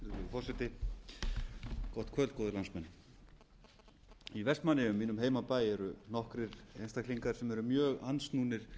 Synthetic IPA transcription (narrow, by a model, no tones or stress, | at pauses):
ɪfɔrsɛt̪ɪ | kɔht̪kʰœlkɔːðʏɾlansmɛnː | ivɛst̪manːɪʏmːiːnʏmɦeːjmapaːjɛɾʏnɔhkɾɪɾ̥ejnst̪akliŋkaɾ̥sɛmɛɾʏmjœːɣansnuːnɪɾ̥